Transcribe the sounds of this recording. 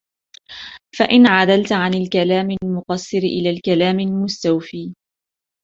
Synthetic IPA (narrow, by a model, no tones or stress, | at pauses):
faʔɪnʕad̪alt̪ʕanalkalaːmɪlmʊqɑsˤːɨɾʔɪ̰laːlkalaːmɪlmʊst̪awfiː